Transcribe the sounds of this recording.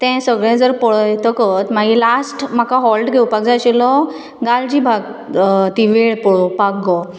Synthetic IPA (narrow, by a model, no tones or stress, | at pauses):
t̪ɛ̃səɡɭɛ̃d͡zəɾpəɭɔjt̪əkət̪maɡilasʈm̤akaɦɔlʈɡʱewpak̚d͡zaɕilɔ | ɡald͡ʑibʱaɡt̪iʋeɭpɔɭɔpakɡɔ